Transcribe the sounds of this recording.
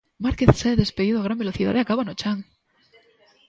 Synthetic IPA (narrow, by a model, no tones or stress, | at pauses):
maɾkeθsaðe̞speðiðoaɣɾambelo̞θiða̰ðakaβanot͡ʃaŋ